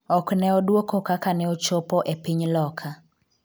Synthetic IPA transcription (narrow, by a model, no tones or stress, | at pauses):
ɔknɛɔdwokokakanɛot͡ʃopɔʔepɪɲlɔkʰa